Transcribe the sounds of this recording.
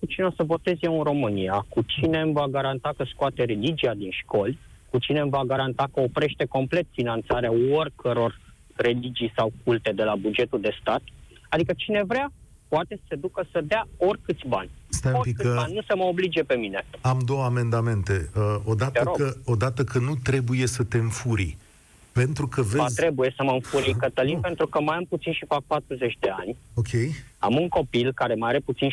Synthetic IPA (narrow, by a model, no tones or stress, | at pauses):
kut͡ʃinosəvo̞t̪e̞zjeɨnɾo̞mɨniakut͡ʃine̞mvaɡaɾant̪akəskoat̪e̞ɾe̞lid͡ʒiad̪inʃko̞lʲ | kut͡ʃine̞mvaɡaɾant̪akəo̞pɾe̞ʃt̪e̞ko̞mple̞t̪finant̪saɾeaorʲkʰəɾo̞r | re̞lid͡ʒijsawkult̪e̞d̪e̞labud͡ʒe̞t̪uld̪e̞st̪at̪ | ad̪ikət͡ʃine̞vɾea | poat̪e̞sə̥se̞d̪ukəsəd̪eao̞rʲkɨt̪sʲbanʲ | st̪aopikɨənʲnusəməoblid͡ʒie̞pe̞mine̞amd̪o̞wəame̞nd̪ame̞nt̪e̞əo̞d̪at̪eəɾoəo̞d̪at̪əkənut̪ɾe̞buje̞sət̪e̞ɨɱfuɾḭ | pe̞nt̪ɾukəvezt̪ɾe̞buje̞səməɨnfuɾiŋkət̪əlimpe̞nt̪ɾukəmajamput̪sinʃifak̚pat̪ɾuze̞t͡ʃʲd̪e̞anʲokʲʰeja̰muŋko̞pilkaɾe̞maaɾe̞put̪sin